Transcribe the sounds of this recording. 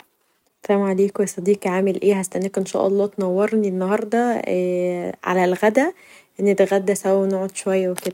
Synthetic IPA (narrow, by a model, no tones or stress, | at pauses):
sæmʕaliːkwesˤɑd̪iːqʕaːmelʔeːhæst̪æʔnːiːkʔenʃæ̰ːʔɑlˤːɑːt̪nɑwːɑɾˤninːɑhɑɾˤd̪ˤɑ | ʕa̰lælɣæd̪æ | ʔenːet̪æɣæd̪ːæsæwæwenoʕod̪ʃowæjːæweked̪æ